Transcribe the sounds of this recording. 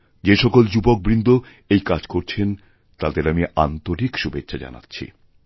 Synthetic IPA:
d͡ʑeʃɔkold͡ʑubok̚bɾind̪ʱo | ejkad͡ʑkoɾt͡ɕʰen | t̪ad̪eɾamiʔant̪oɾikʃubetːɕʰad͡ʑa̰na̰tːɕʰḭ

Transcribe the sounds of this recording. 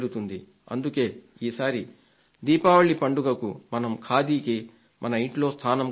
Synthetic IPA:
ɾut̪und̪i | ɐ̰nd̪uke̞ːiːsaːɾi | d̪iːpaːʋɐɭːipɐɳɖuɡɐkumɐnɐmkʰaːd̪iːki | mʔɐnɐiɳʈlo̞ːst̪ʰaːnɐm

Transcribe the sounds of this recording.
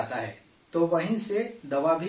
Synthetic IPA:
t̪aɦɛ̰ː | t̪oʋɐɦĩsed̪ɐʋabʱi

